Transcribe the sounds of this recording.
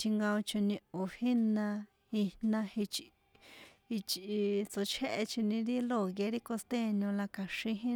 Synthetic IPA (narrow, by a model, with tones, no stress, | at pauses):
t̪ʰi˧ŋɡã˧o˧t͡ʃo˧nĩ˧o˨hi˦nã˧ | i˧nã˧hi˧t͡ʃ | i˧t͡ʃʔi˧t͡so˧t͡ʃʰe˦ʔe˧t͡ʃi˧nĩ˧ɾi˦lo˦˨ɣe˧ɾi˦ko˧st̪e˦˨nõ˧la˧ka˨ʃĩ˧ɦĩ˦